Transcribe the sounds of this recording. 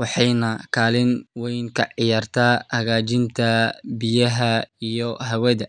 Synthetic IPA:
wɑħɑjnɐkʰaːlɪnwɛjŋkʰɐʕɪjaːrt̪ʰaːhɐɣaːt͡ʃɪnt̪ʰɐbɪjɐɦɐijɔɦɐwɛðɐ

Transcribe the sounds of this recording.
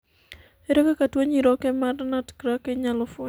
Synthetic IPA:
eɾɛkakatwoɲiɾɔkɛmarnatkɾakɛɲalɔfo

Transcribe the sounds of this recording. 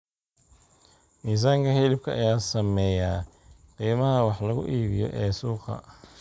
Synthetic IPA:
miːs̬aːŋkʰɐɦɪlɪb̚kʰɐɐ̰jaːsɐmɛjaː | qiːmɐɦɐwɑħlɐɣʊ̰ʔiːβɪjɔ̰ʔɛːsuːqɐ̰

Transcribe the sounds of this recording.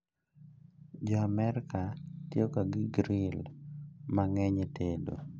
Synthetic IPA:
d͡ʒɔamɛɾkatjokaɡɪɡɾɪl | maŋɛɲetʰedo̰

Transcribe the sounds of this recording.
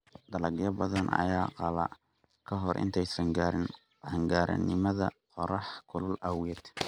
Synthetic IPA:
d̪ɐlɐɡjɐbɐðɐnɐ̰jaːqɑlɐ | kʰɐɦɔrʔɪ̰nt̪ʰɛjsɐŋɡaːɾɪn | ʕɐŋɡaːɾʔɐ̰nɪmɐðɐ̰qɔɾɑħkʰʊlʊlʔɐwjɛd̪

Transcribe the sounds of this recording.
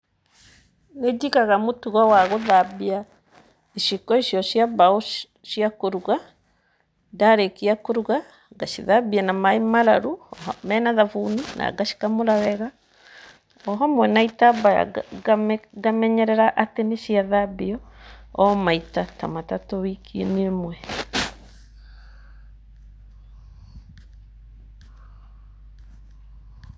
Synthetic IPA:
ned͡ʒikaɣamotuɣɔwaɣoðabia | iʃikɔiʃjɔʃiaβao | ʃiakoɾuɣa | daɾekiakoɾuɣa | ɡaʃiðabianamaemaɾaɾumɛnaðavunina̰ɡaʃi̥kamoɾawɛɣa | ɔɦɔmwɛnaitabaa̰ɡamɡamɛɲɛɾɛɾaʔateneʃiaðabiɔɔmaitata̰matatɔwikʰienemwɛ

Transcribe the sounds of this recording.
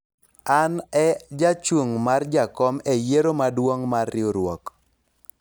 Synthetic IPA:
anɛd͡ʒat͡ʃuŋmard͡ʒakɔmejeɾomadwoŋmarːɪoɾwɔk

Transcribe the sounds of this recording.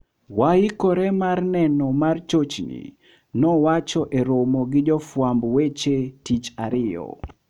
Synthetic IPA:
waikoɾemarnɛnɔmart͡ʃot͡ʃnḭ | nɔwat͡ʃɔʔeɾomoɡɪd͡ʒɔfwambwet͡ʃetit͡ʃaɾɪjɔ̰

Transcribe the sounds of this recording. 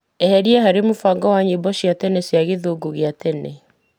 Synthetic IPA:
ɛhɛɾiɛɦaɾemofaːŋɡɔwaɲibɔɕjatɛnesjaɣeðoːɡoɣeatɛne

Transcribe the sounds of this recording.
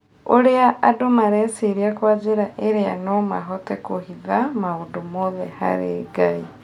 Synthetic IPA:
oɾeaʔːdomaɾesiɾiakwad͡ʒeɾaʔeɾeanomaɦotekohiðamaudumoðḛha̰ɾḛɡai

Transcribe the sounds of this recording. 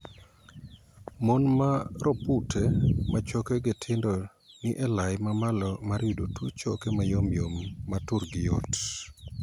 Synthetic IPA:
monmaɾoputʰemat͡ʃokeɡetʰɪndɔ | nɪʔɛlajmamalɔmaɾjudotʰut͡ʃokemajomjomːatuɾɡɪjo̰t

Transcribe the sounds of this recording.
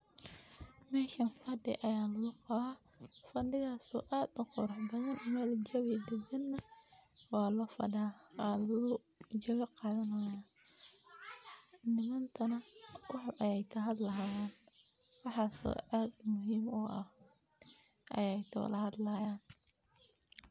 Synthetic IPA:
mɛːkʰɐnfɐɖɪ̰ʔɐjaːlɐɣʊqɑβaː | fɐɖɪðaːsɔ̰ːʔaːd̪ʊqʊɾɑħbɐɣɐnmɛld͡ʒɐwid̪ɛɡɐnːɐwɑːlɐfɐ̰ɖaːlɐʊ | d͡ʒɐɣɐqɑːðɐnɐja | nɪmɐnt̪ʰɐnɐwɑħʔɐjɛjt̪ʰɐɦɐd̪lɐjaːn | wɑħɑːsɔ̰ʔaːd̪mʊɦiːmɔʔɐh | ʔɐjɛjt̪ʰɐ̰lɐhɐd̪lɐːjaːn

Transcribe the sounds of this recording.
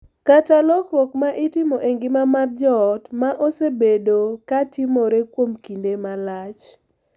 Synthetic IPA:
kat͡ʃalɔkwɔkmaʔɪtɪmoʔeŋɡɪmamard͡ʒɔtmaʔosebedokatɪmoɾekwomkindemalat͡ʃ

